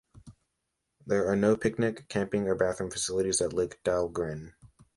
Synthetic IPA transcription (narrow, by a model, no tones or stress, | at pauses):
ðə˞ːnoʊpʰɪk̚nɪkʰːæ̃mpɪ̃ŋə˞bæθɹə̃ɱfəsɪlˠəɾizðətˡlɪɪkd̥ælˠɡɹɪ̃n